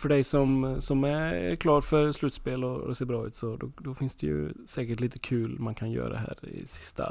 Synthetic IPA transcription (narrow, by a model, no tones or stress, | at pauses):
fœɖɛjsɔmsɔmæɾ̰ɾkʰlɑːɾfœɾslʉːt̪speːlɔ̰seːɾbɾɑːʉ̟ːt̪sɔd̪ɔd̪ɔfɪnsd̪ɛjɵ̰sɛːkəʈliːt̪əkʰʉ̟ːlmankʰanjœ̰ːɾa̰d̪ɛ̰ɦæ̰ːɾɪ̰sɪ̥st̪ʰa̰